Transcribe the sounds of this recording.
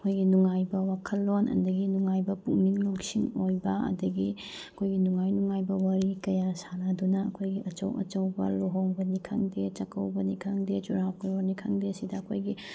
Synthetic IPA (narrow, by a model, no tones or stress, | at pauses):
ɐkʰojɡinuŋajbɐwakʰɐlːonʔɐ̰dɐɡinuŋajbɐpuŋmiŋloŋsiŋojbɐɐ̰dɐɡi | ɐkʰojɡinuŋajnuŋajbɐwɐɾikɐjasanadunɐːkʰojɡiʔɐt͡ʃɐ̰wɐ̰t͡ʃɐwbɐ̰loɦoŋbɐnikʰɐ̰ŋdet͡ʃɐkɐwbɐnikʰaŋdet͡ʃuɾawkuɐnikʰaŋdeɐsidɐːkʰojɡi